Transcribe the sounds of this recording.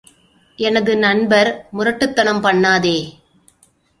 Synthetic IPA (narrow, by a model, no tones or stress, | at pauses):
ʔɛnɐðɯnɐnbɐɾmʊɾɐʈːɯt̪ːɐnɐmpɐɳːaːðeː